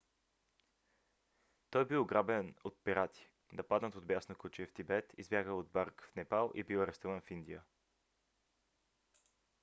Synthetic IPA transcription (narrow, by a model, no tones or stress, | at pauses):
t̪ɔjbioɡɾabɛnot̪̚piɾat̪ʰʲi̥ | d̪ɐpad̪nət̪od̪̚bjasnokut͡ʃift̪ibɛt̪ḭzbjaɡəod̪̚baɾkfnɛpalˠʔḭbiwɐɾɛst̪uvənfind̪iə